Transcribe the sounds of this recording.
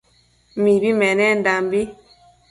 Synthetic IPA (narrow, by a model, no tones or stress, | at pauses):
mibimɛnɛndambi